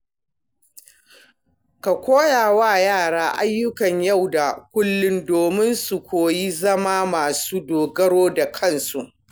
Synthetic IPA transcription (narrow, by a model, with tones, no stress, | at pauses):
ka˨kʷoː˦jaː˨waː˦jaː˦˨ɽaː˦ʔa˦jːʊ˦kɐ˨ɲja˦˨wda˨kʷʊ˦lːʊ˦ndoː˨mɪ˦nsu˨kʷoː˨ji˦zɐ˦ma˦maː˨suː˦doː˨ɡɐ˦ɽoː˦da˨kʰɐ˦˨nsu˨ʔ